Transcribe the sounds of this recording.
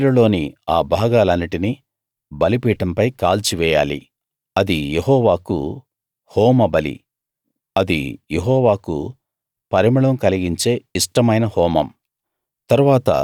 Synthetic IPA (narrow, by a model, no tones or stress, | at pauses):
ɾɐlo̞ːniaːbʱaːɡaːlɐnːiʈini | bɐlipiːʈɐmpɐjkaːlt͡ʃiʋɛːja̰ːlḭ | ɐd̪ijeɦɔːʋaːkṵ | hɔːmɐbɐlḭ | ɐd̪ḭjeɦɔːʋaːkṵ | pɐɾimɐɭɐmkɐliɡiɲt͡ʃe̞ːiʂʈɐmɐjnɐhɔːmɐm | t̪ɐɾuʋaːt̪ɐ̰